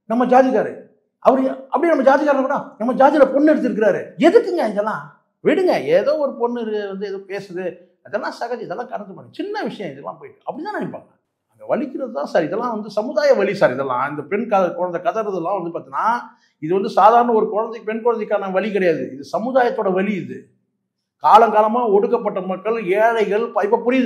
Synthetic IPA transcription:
nɐmːɐd͡ʒaːðɪɣaːɾɯ̰ | ʔɐpɐɽɐpːɐɽinɐmːɐd͡ʒaːðɪɣaːɾnɐpɐɾãːnɐmːɐd͡ʒaːðɪlɐpɔnːɛɽɯt̪ːɪɾɯk̬ːɪɾaːɾɯɛðɯkːɯŋɡɐɛŋɡɛlːãː | ʋɪɽɯŋɡɐeːðoːɔɾɯpɔɳːɪɾʋɐnd̪ɯɛðoːpeːsɐðɯ | ɐðɛlːãːsɐɣɐðɛðɛlːãːkɐɽɐd̪ɯpɐnɯt͡ʃɪnːɐʋɪʂɐjɐ̃ɪðɛlːa̰ːp̬oːjɪʈːɯɐpːɐɽit̪ãːnɐɳɪpːa̰ːŋɐ | ɐnɡ̪ɐʋɐɭɪkːɪɾɐðɯt̪ãːsaːɾɪðɛlːãːʋɐnd̪ɯsɐmɯðaːjɐʋɐɭisaːɾɪðɛlːã̰ːɪnd̪ɐpɛɳkɐɐkʊɻɐnd̪ɐɪkɐðɐɾɐðɛlːãːʋɐnd̪ɯpaːɾt̪ːinaː | ɪðɯʋɐnd̪ɯsaːðaːɾɐnɐɔɾɯkɔɻɐnd̪ɐɪpɛɳkɔɻɐnd̪ɐɪkːaːnɐʋɐɭikɪɽɐjaːðɯɪðɯsɐmɯðaːjɐt̪ːoːɽɐʋɐɭiɪðɯ | kaːlɐŋɡaːlɐmaːɔɽɯkːɐp̬ːɐʈːɐmɐkːɐɭeːlɐɪɣɐɭpɐɪp̬ːɐːpʊɽɪj

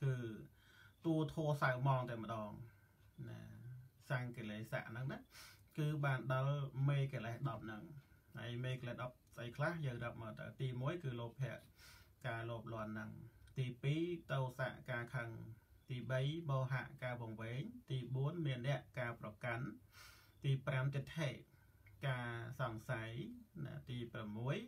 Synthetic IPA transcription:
kɨː | t̪uət̪ʰoəsawmɑːŋt̪amə̆ɗɑːŋ | na̰saŋkeleːsa̰ʔnɨŋnɨʔkɨːɓaːnɗɑlmeːkeəlehɗɑp̚nɨŋha̰əjmeːkəlɛhɗɑp̚sʔəjkʰlahjəːŋrəəp̚məːt̪ə̰wt̪iːmuəjkɨːloːpʰːɛ̆əʔkaːloəp̚lŏənːɨŋt̪iːpiːt̪owsa̰ʔkaːkʰəŋt̪iːɓəjɓoːɦa̰ʔkaːʋɔəŋʋeːɲt̪iːɓuənmiənːɛ̆əʔkaːprɑkan | t̪iːpramt̪it̪ʰeːʔ | kaːsɑŋsajna̰t̪iːpramːuəj

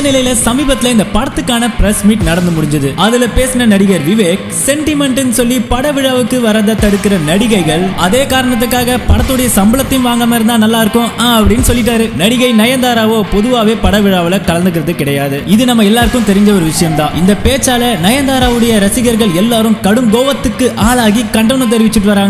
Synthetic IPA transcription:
nɪlɐjɪlɐsɐmiːbɐt̪ːɪlɐɪnd̪ɐpɐɽɐt̪ːɯkːaːnɐpɪɾɛsmiːʈnɐɽɐnd̪ɯmʊɽɪɲd͡ʒɐðɯɐðɪlɐpeːsɯnɐnɐɽɪɣɐɾʋɪʋeːk | sɛɳʈɪmɛɳʈɪnːɯsɔlːipɐɽɐʋɪɻaːʋɯkːɯʋɐɾɐnd̪ɐt̪ːɐɽɯkːɪɾɐnɐɽɪɣɐɪɣɐɭɐðeːkaːɾɐɳɐt̪̬ːɯkːaːɣɐpɐɽɐt̪ːɯɽɐjɐsɐmbɯlɐt̪ːɪnʋaːŋɡɐmɐɾɯnd̪ãːnɐlːaːɪɾɯkːʊ̃aːɐpːɐɽɪnːɯsɔlːɪʈ̬ːaːɾɯnɐɽɪɣɐɪnɐjɐnd̪aːɾaːʋoːpɔðɯʋaːʋeːpɐɽɐʋɪɻaːʋɐlɐkɐlɐnd̪ɯk̬ːɪɾɐðɯkɪɽɐjaːðɯɪðɯnɐmːɐɛlːaːɾɯkːɯmt̪ɛɾɪɲd͡ʒɐʋɔɾɯʋɪʂɐjɐmt̪ãːʔɪnd̪ɐpeːt͡ʃːaːlɐnɐjɐnd̪aːɾaːʋɯɽɐjɐɾɐsɪɣɐɾɣɐɭɛlːaːɾɯmkɐɽɯŋɡoːʋɐt̪ːɯkːɯʔaːlaːɣikɐɳɖɐʋnɯt̪ɛɾɪʋɪt͡ʃːɯʈːɯʋɐɾaːŋ

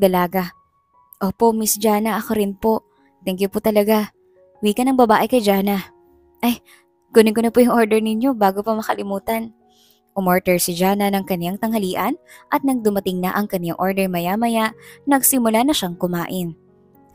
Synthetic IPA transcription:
d̪ɐlaːɡɐ | ʔoːpo̞ʔmɪsd͡ʒaːnɐʔɐkoɾɪnpo̞ʔ | t̪ɛŋkjʊpʊt̪ɐlɐɡa | wiːkɐnɐŋbɐbaːʔɪkɐjd͡ʒaːnɐ | ʔɐj | ɡ̥uːnɪŋkʊnɐpojʊŋʔoɹd̪ɛɹnɪɲjo̞baːɡo̞pɐmɐkɐlɪmuːt̪ɐn | ʔʊmoɹt̪ɛɹsɪd͡ʒaːnɐnɐŋkɐnɪlaŋt̪ɐŋhɐliːʔɐnʔɐt̪̚nɐɡ̚d̪ʊmɐt̪ɪŋnɐ̰ʔɐŋkɐnɪjaŋʔo̞ɹd̪ɛɹmɐjamɐjaʔnɐɡsɪmʊlanɐʃaŋkʊmaːʔɪn

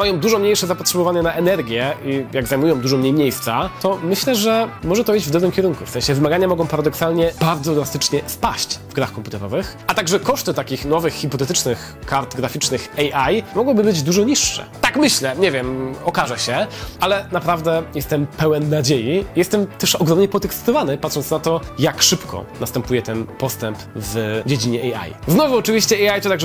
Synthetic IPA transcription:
majɔ̃w̃d̪uʐɔmɲejʂɛzapɔtʂɛbɔvaɲɛnaʔɛnɛɾɡʲjɛijaɡzajmujɔ̃w̃d̪uʐɔmɲejmɲejst̪sat̪ɔmɘɕlɛʐɛmɔʐɛt̪ɔid͡ʑvd̪ɔbɾɘmkʲɛɾuŋkufsɛ̃ɲ̃ɕɛvɘmaɡaɲamɔɡɔ̃w̃paɾad̪ɔksalɲɛb̥aɾd̪zɔd̪last̪ɘt͡ʂɲɛspaɕt͡ɕvɡɾaxkɔmput̪ɛɾɔ̰vɘxʔat̪aɡʐɛkɔʂt̪ɘt̪akʲixnɔvɘxxːipɔt̪ɛt̪ɘt͡ʂnɘx | kaɾt̪ɡɾafʲit͡ʂnɘxɛjʔajmɔɡwɔbɘbɘd͡ʑd̪uʐɔɲiʂːɛ̰t̪akmɘɕlɛɲɛvʲjɛmɔkaʐɛɕɛalɛnapɾavd̪ɛjɛst̪ɛmpɛwɛnːad͡ʑejijɛst̪ɛmt̪ɛʂɔɡɾɔmɲɛpɔt̪ɛkst̪ɔvanɘpat̪ʂɔntsnat̪ɔjakʂɘpkʰɔ̰nast̪ɛmpujɛt̪ɛnpɔst̪ɛmpvd͡ʑed͡ʑiɲɛʔɛja̰jznɔvuɔt͡ʂɨvʲiɕt͡ɕɛɛjajt̪ɔt̪aɡʐɛ

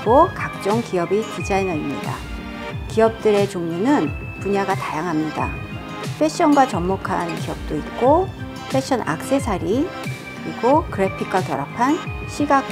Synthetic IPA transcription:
ɡokak̚t͡ɕ͈ʌŋkiʌbitid͡ʑainaimɲida̰ | kiʌp̚t͈ɯɾe̞t͡ɕoŋɲunɯn | puɲaɡatajaŋɦamɲida̰ | pʰe̞ɕ͈ʰʌnɡwat͡ɕʌmːokʰankiʌp̚t͈oit̚k͈o | pʰe̞ɕ͈ʰʌnʔa̰k̚s͈e̞sʰaɾi | kɯɾiɡokɯɾe̞pʰik̚k͈wakjʌɾapʰanɕʰiɡak

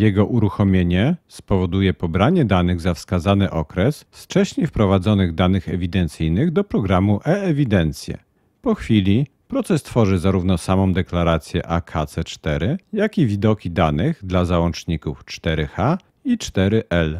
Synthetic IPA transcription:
jɛɡɔʔuɾuxɔmʲjeɲɛspɔvɔd̪ujɛpɔbɾaɲɛd̪anɘɣzafskazanɘʔɔkɾɛsft͡ʂɛɕɲefpɾɔvad̪zɔnɘɣd̪anɘxɛvʲid̪ɛnt̪sɘjnɘɣd̪ɔpɾɔɡɾamuʔɛɛvʲid̪ɛnt̪sʲjɛ̰ | pɔxfʲilʲi | pɾɔt̪sɛst̪fɔʐɘzaɾuvn̪ɔsamɔ̃w̃d̪ɛklaɾat̪sʲjɛ̰ʔakʰat̪sɛt͡ʂt̪ɛɾɘjakʲivʲid̪ɔkʲid̪anɘɣd̪lazawɔnt͡ʂɲikuft͡ʂt̪ɛɾɘxa | it͡ʂt̪ɛɾɘʔɛl

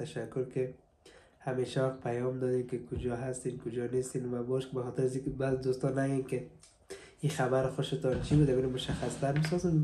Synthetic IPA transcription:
t̪aʃakːʊɾkɪ | hameʃawaqpʰajɔmd̪ɔd̪enkɪkʰʊd͡ʒɔɦast̪enkʊd͡ʒɔnest̪enwabɔʃkɪbaxɔt̪ɪɾazikɪbazɪd̪ust̪ɔnaɡenkɪ | ixabaɾxʊʃɪt̪ɔnt͡ʃʰibud̪abiɾamʊʃaxast̪aɾmɪs̬ɔzen

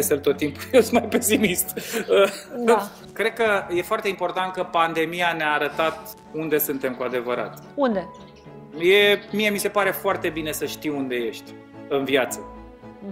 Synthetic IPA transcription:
eselt̪o̞t̪ːimpujewsunmajpe̞simist̪əa | kɾe̞d̪̚kəje̞foart̪e̞impo̞rt̪ant̪̚kəpand̪e̞mijaneaːɾət̪at̪ | und̪e̞sɨnt̪e̞mkuad̪e̞vəɾa̰t̪ | und̪e | je̞mie̞mise̞paɾe̞foart̪e̞bine̞səʃt̪iwund̪e̞je̞ʃt̪ʲ | ɨnvjat̪sə

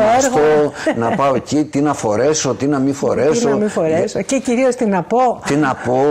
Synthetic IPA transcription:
oeɾɣonɐpɐocit̪inɐfo̞ɾe̞so̞t̪inɐmifo̞̰ɾesoɐmifoɾesoceciɾio̞st̪inɐpot̪inɐpo

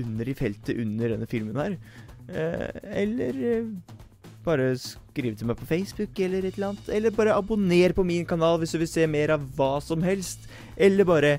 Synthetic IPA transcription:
ʉnːəɾɪfɛlt̪əʔʉnːəɖɛnːəfɪlmənhæːɾ̰ | ɛ̰lːəɾ | b̥ɑːɾəskɾiːʋət̪ʰɪlmæɪpʰɔfeɪsbʉkɛlːəɾɛt̪lɑːnt̪ʰɛlːəɾbɑːɾəʔɑbʊneːɾpɔmɪnkɑnɑːlʋɪsd̪ʉʋɪlseːmeːɾɑʋːɑːsɔmɦɛlst̪ | ʔɛlːəɾbɑːɾə

